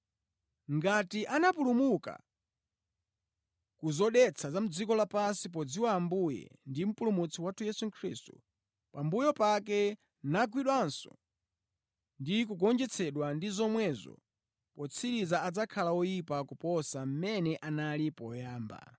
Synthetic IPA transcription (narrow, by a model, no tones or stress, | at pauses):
ŋɡatiʔanapulumuka̰ | kuzɔɗɛt͡sʰazam̩d͡zikɔlapansip̬ɔd͡ziwaːmbujɛ̰ndim̩pulumut͡sʰiwatʰujɛsuŋkʰɾistu̥̰ | pambujɔpakɛ | naɡwiɗwansɔ̰ | ndik̬uɡɔnd͡ʒɛt͡sʰɛɗwandizɔmwɛzɔ̰ | pɔt͡sʰiɾizaad͡zakʰalaɔjipakupɔsam̩mɛnɛʔanalipɔjaːmba̰